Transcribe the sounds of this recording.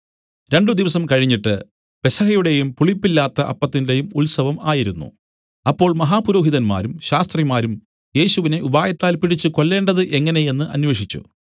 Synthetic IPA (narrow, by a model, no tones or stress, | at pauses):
ɾe̞ɳɖɨd̪iʋɐsɐmkɐɻiɲːiʈːɨ | pe̞sɐhɐjuɽe̞jumpuɭipːilːaːt̪ːɐʔɐpːɐt̪ːinde̞jumulsɐʋɐmaːjiɾunːṵ | ɐpːo̞ːɭmɐɦaːpuɾo̞ːɦiðɐnma̰ːɾumɕaːst̪rimaːɾum | je̞ːɕuʋine̞ʔubaːjɐt̪ːaːlpiɽit͡ɕːɨko̞lːe̞ːɳɖɐðɨʔe̞ŋːɐne̞je̞nːɨʔɐ̰nʋe̞ːʂit͡ɕːṵ